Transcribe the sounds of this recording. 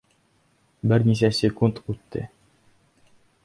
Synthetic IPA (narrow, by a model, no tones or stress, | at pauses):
bɘɾnis̬æsʲɪkunt̪ʉt̪ːɘ̰